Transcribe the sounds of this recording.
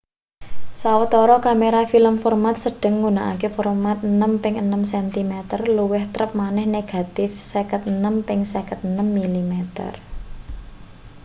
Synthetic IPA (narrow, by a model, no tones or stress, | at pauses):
sawət̪ɔɾɔkameɾafiləmfɔrmat̪̚səɖ̥ə̤ŋːɡuna̰ʔa̰kefɔrmat̪̚ənəmpɪŋənəmsɛnt̪imet̪ərluwɪht̪ɾəp̚manɛhneɡ̥a̤t̪ɪfsekət̪̚ənəmpɪŋsɛkət̪̚ənəmːilimet̪ə̰r